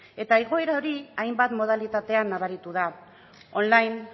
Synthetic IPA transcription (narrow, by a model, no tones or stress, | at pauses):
e̞t̪aeɣ̞o̞e̞ɾao̞ɾiajmbat̪mo̞ð̞alit̪at̪e̞anːaβaɾit̪uða | o̞nlajn